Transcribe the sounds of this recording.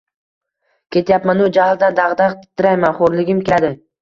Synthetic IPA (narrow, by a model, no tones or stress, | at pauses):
kʲe̞t̪japmanʊd͡ʒahɪlˠd̪and̪ɑʁd̪ɑqt̪ɪt̪ʰːɪɾajmanχoɾlɪɡʲɪmkʲead̪ɪ